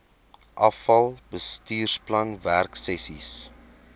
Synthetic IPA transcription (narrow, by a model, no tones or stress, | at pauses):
ʔɐfɐlˠbəstiːrsplɐnværksɛsis